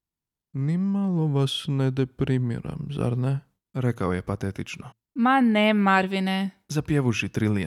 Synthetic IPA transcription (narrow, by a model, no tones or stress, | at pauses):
nimalˠoʋasnɛd̪ɛpɾimḭɾa̰mza̰ɾnɛ | ɾekaojepat̪et̪it͡ʃno | manɛmaɾʋinezapjeʋuʃit̪ɾili